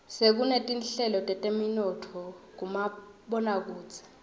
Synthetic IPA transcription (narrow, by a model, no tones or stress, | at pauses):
sek̬unetʼinɬɛlɔtʼɛtʼeminɔtʰɔk̬umaɓɔnak̬uːt͡sʰɛ̥